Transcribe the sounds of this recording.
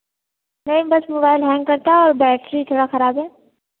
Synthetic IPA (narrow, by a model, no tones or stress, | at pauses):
nɐɦĩbɐsmobaːɪlɦɛ̃ːŋɡ̚kɐɾt̪aɦɛɔːɾbɛːʈɾit̪ʰoːɽaxɐɾaːbɦɛː